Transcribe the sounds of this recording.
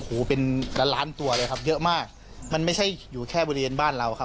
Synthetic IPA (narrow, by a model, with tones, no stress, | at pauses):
hoː˩˦pe˧nlaː˦˥laː˦˥nt̪u˧ɐlɤː˧jkʰa˦˥p̚jɤ˦˥ʔmaː˥˩k̚ | ma˧nma˥˩jt͡ɕʰa˥˩jjuː˨˩kʰɛː˥˩bɔː˧ɾi˦˧weː˧nbaː˥˩nɾa˧wkʰa˦˥